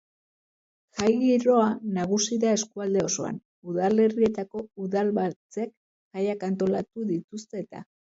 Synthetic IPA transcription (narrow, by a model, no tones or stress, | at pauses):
ʝajɣiɾo̞anaɣ̞usiðae̞skuald̪e̞o̞so̞a̰n | uðale̞rie̞t̪ako̞uðalβat͡se̞k | ʝajakant̪o̞lat̪uðit̪ust̪e̞ːt̪a̰